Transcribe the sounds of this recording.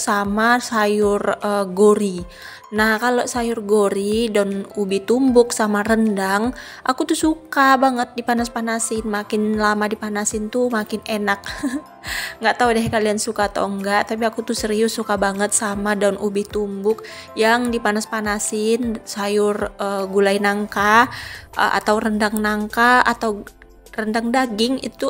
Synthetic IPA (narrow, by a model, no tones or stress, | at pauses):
samasajʊrəɡoɾi | nahkaloʔsajʊrɡoɾidaʊnubiht̪umbʊk̚samarəndaŋ | ʔakut̪usukabaŋət̪̚dipanaspanasɪnmakɪnlamadipanasɪnt̪umakɪnenak̚ | ŋɡaʔt̪audɛɦkaliansukat̪o̰ŋɡaʔt̪ap̬iakut̪usəɾiʊsukabaŋət̪̚samadaunubɪht̪umbʊk̚ | jaŋdipanaspanasɪnsajʊrəɡulainaŋka̰ | ʔa̰t̪awrəndaŋnaŋkaat̪aw | rəndaŋdaɡɪŋḭt̪u